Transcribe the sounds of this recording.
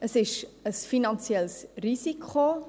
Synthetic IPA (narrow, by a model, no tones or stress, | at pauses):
əsɪʃəsfinɑnsiɛlsrizikʰχo